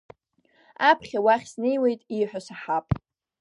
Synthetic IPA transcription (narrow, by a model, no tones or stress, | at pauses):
apʰχʲawaχʲsnejwe̞jtʼiħʷᶣasaħapʼ